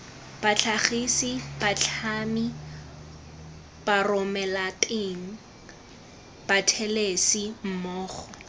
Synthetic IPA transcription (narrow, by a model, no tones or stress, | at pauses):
b̥at͡ɬʰaχisib̥at͡ɬʰami | b̥arʊmɛlatʼeŋ̩ | b̥atʰɛlesim̩mɔːχɔ